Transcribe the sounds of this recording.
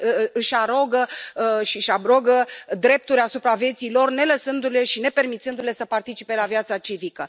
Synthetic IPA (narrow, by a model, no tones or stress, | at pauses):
ɨʃʲaɾo̞ɡəʃiʃabɾoɡəd̪ɾe̞p̚t̪uɾʲasupɾavje̞t̪silo̞rne̞ləsɨnd̪ule̞ʃine̞pe̞rmit̪sɨnd̪ule̞səpart̪it͡ʃipe̞lavjat̪sat͡ʃivikə